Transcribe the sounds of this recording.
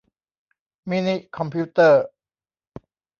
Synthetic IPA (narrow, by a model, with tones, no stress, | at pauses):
mi˦˥ni˦˥kʰɔ˧mpʰiː˦˥t̪əː˥˩